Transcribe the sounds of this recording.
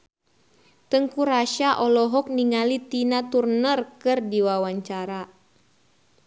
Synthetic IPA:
t̪əŋkuɾaʃaʔɔlɔɦɔk̚niŋalit̪inat̪urnərkɨrdiwawaɲt͡ʃaɾa

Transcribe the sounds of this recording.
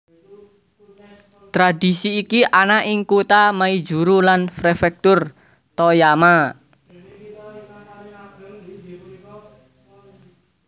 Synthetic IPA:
t̪ɾadi̤siːkiʔanaʔɪŋkut̪amai̥d͡ʒuɾulanfɾefɛk̚t̪ʊr | t̪ɔjama

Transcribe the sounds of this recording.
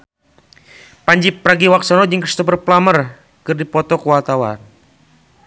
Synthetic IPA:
paɲd͡ʒipɾaɡiwak̚sɔnɔd͡ʒɨŋkri̥st̪upərplamər | kɨrdipɔt̪ɔkuwat̪awa̰n

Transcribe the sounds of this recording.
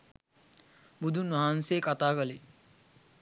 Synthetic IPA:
bud̪ʱunʋaɦanseːkat̪aːkəle

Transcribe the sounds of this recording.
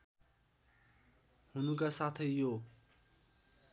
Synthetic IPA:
hunukasat̪ʰʌjːo

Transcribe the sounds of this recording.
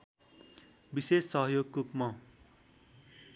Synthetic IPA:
bisesːʌɦʌjoɡkukmʌ

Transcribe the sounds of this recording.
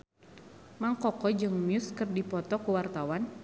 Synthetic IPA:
maŋkɔkɔd͡ʒɨŋmjʊskɨrdipɔt̪ɔkuwart̪awan

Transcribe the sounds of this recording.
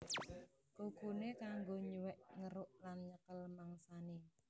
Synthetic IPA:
kukunekaŋɡoɲuwɛʔŋəɾʊʔlanɲəkəlmaŋsane

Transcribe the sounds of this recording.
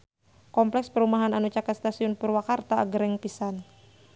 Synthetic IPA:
kɔmplɛkspəɾumaɦananut͡ʃakat̪st̪asiʊnpʊrwakart̪aa̰ɡəɾɛŋpisan

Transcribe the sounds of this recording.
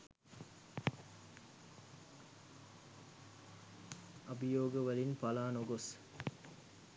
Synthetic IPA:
ɐbijoːɡəʋəlinpalaːnoɡos

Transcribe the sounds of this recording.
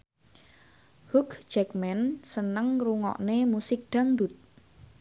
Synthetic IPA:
hukd͡ʒɛkmɛnsənəŋruŋɔ̰ʔnemusɪk̚ɖ̪̥a̤ŋd̪ut̪̚

